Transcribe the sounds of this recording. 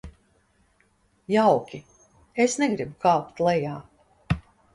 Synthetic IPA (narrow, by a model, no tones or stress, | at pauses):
jawkʲi | esnɛɡɾibukaːwpt̪lˠɛjaː